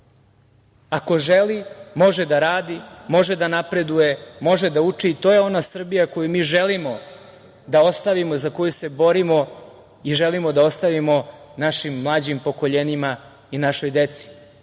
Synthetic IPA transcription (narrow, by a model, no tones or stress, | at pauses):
ako̞ʒelimo̞ʒed̪aɾaːd̪imo̞ʒed̪anapɾe̞d̪uje̞mo̞ʒed̪aut͡ʂiːt̪oːje̞o̞nasr̩bijako̞jumiːʒe̞limo̞ | d̪ao̞st̪aʋimozako̞juse̞bo̞ɾimo̞ | iʒelimo̞d̪aost̪aʋimo̞naʃimːlˠaːd͡ʑimpo̞ko̞ʎenima | inaʃo̞jd̪e̞t̪si̥